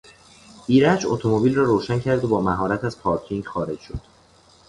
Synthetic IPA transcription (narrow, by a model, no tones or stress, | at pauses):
iːɾæd͡ʒo̰t̪ʰomobiːlrɒːɾoːʃæncʰæɾd̪ebɒːmæɦɒːɾæt̪ʰæz̥pʰɒːɾcʰiŋɡxɒːɾe̞d͡ʒʃo̞d̪̥